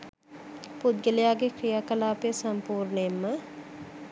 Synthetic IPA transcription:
pud̪̚ɡelejaːɡekɾijaːkəlaːpijəsɐmpuːɾɳəemːə

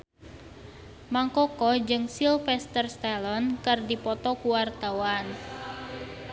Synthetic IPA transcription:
maŋkɔkɔd͡ʒɨŋsilfɛst̪ərst̪alɔnkɨrdipɔt̪ɔkuwart̪awan

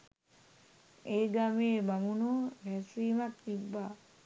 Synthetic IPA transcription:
eːɡameebamunoːhɛsiːmat̪ːibːaː

